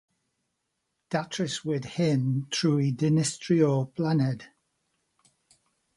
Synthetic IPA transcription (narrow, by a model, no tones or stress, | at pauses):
d̥atɹ̥ɪswɪd̥hɪntʰɹuːidɪnɪstɹ̥iəpʰlanɪd